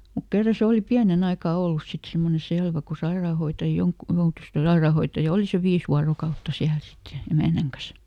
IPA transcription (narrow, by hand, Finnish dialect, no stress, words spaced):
mut kerːɑ se oˑli piænen ɑikɑˑ olːus sit semːone selʋæ ku sɑirɑːhoitɑ joŋk joutus kyl sɑerɑˑhoitːɑjɑ oli seʋ ʋiːs ʋuɑrokɑutːɑ siæl sit jɑ emæˑnæŋ kɑs